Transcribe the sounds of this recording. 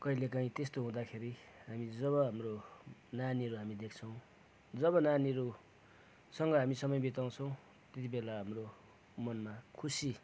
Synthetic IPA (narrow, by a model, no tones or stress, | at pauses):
kʌilekaĩt̪est̪oɦũd̪akʰeɾiɦamid͡zʌβʌɦamronaniɾuɦamid̪ek̚ʰt͡sʰʌw̃ | d͡zʌbʌnaniɾu | sʌŋɡʌɦamisʌmʌjbit̪aw̃t͡sʰʌw̃ | t̪et̪̬ibelaɦamro | mʌnmakʰusi